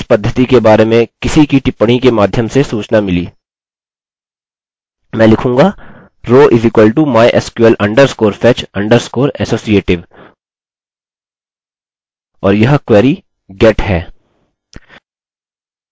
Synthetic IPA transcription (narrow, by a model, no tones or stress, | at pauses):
ɪspɐd̪ʱːət̪ikebaːɾemẽkɪsikiʈɪpːɽ̃ikemaːd̪ʱjəmsesuːt͡ʃnamɪliː | mɛ̃ːlɪkʰũːŋɡa | ɾoːʔɪzɪkwəlʈumaːjʔɛskwəlʔɐ̃ɳɖəɾskoːɾfʰɛːt͡ʃɐ̃ɳɖəɾskoːɾɛsoːsieːʈɪʋ | ɔːɾjɐɦkʋɛːɾi | ɡɛːʈɦɛː